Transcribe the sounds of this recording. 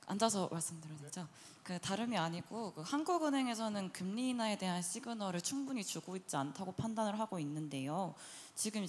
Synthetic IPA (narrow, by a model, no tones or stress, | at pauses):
a̰nd͡ʑas̬ʰʌmaɭs͈ɯmdɯɾʌded͡ʑa | kɯtaɾɯmiaɲiɡokɯhanɡuɡɯnɦe̞ŋe̞s̬ʰʌnɯnkɯmɲiːnae̞de̞ɦanɕʰiɡɯnʌɾɯɭt͡ɕʰuŋbuɲit͡ɕuɡoit̚t͡ɕ͈iantʰaɡopʰandanɯɭɦaɡoinːɯnde̞jo | t͡ɕiɡɯm